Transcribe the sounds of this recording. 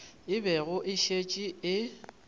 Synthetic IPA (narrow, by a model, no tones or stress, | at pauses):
ɪbɛɣʊʔɪʃet͡ʃʼiɪ